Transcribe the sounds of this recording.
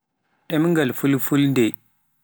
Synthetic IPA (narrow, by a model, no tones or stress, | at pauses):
ʔemŋɡalfulfulde